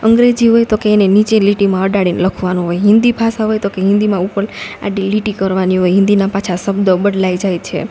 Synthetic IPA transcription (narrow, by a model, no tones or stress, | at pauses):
əŋɡɾed͡ʒiɦojt̪okeenenit͡ʃeliʈimãəɖaɽinləkʰʋanũɦojɦɪ̃nd̪ipʰasaɦojt̪okeɦɪ̃nd̪imãupəla̰ɖiliʈikəɾʋaniɦojɦɪ̃nd̪inapat͡ʃʰasəbd̪əbəɖlajd͡ʒajt͡ʃʰḛ